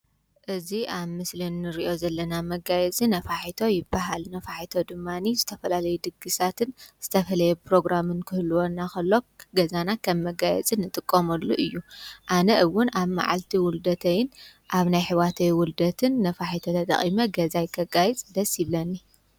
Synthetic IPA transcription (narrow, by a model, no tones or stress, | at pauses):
ʔɨziʔaβmɨslinːɨɾiʔo̞zɐlːɐnamɐɡajɛt͡sʼinɐfaħit̪ʰo̞jɪbːaɦalnɐfaħit̪ʰo̞d̪ɨmːanizɨt̪ʰɐfɐlalɐjud̪ɨɡɨsat̪ʰɨnz̥ɨt̪ʰɐfɐlɐjɛpɾo̞ɡɾamɨnkʰɨhɨlːuwonːakɐlːo̞ɡɐzanakʰɐmːɐɡajɛ̰t͡sʼɨnːɨt̪ʼɨkʼːɐmɐlːuʔɨjːuʔanɐʔɨwʊnaβma̰ʕa̰lt̪ʰiwʊld̪ɐt̪ʰɐjɪnʔaβnajħɨwat̪ʰɐjwʊld̪ɐt̪ʰɨnːɐfaħit̪ʰot̪ʰɐt̪ʼɐ̰χʼimɐɡɐzajkʰɐɡajit͡sʼd̪ɐsʼiβlɐnːi